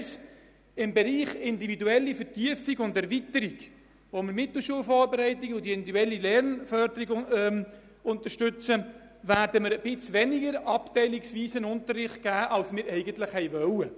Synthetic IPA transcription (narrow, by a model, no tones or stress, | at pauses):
s | ɪmbɛɾiːχɪnd̪ividuɛlːifəɾtyəfiɡʊnd̪ɛɾvit̪əɾiɡ | ʋoməɾmɪt̪l̩ʃuəlfɔːɾbɛɾɛɪt̪ɪɡəʊd̪iɪnduɛlːilɛɾnfœɾd̪əɾiɡɛm | ʊnt̪əɾʃtʏt͡sə | væːɾdəməɾəb̥ɪt͡sʋɛnɪɡəɾɑptɛɪlɪksviːsənʊnt̪ərːɪχt̚ɡ̥æːʔɑlsmɪːɾɛɪɡənt̪ləχhɛɪvœwə